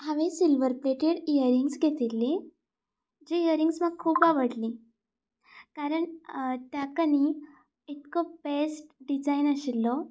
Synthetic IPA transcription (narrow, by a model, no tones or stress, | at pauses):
ɦaʋẽsilʋəɾpleʈeɽijəɾiŋɡsɡʱet̪ilːi | d͡ʑiijəɾiŋɡsməɡ̚kʰːuːpaʋəɽli | kaɾəɳt̪jakəni | it̪kɔbesʈɖid͡zainaɕilːɔ